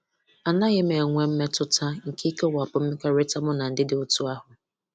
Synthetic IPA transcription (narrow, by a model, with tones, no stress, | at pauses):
a˨na˦ɣɪ˦me˨ŋʷe˦m̩˦me˦tʊ˦tʰa˦ŋ̩˨ki˦ke˦wa˨pʊ˦m̩˦me˦kʷa˦ɾɪ˦ta˦mʊ˦na˨n̩˨dɪ˦dɪ˦ʊ˦tu˦a˦ɦʊ˨